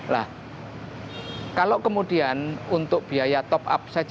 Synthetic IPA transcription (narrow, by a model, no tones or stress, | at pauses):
la̰h | kalokəmud̥ianunt̪ʊk̚b̥iajat̪ɔpa̰p̚sḁʒ̥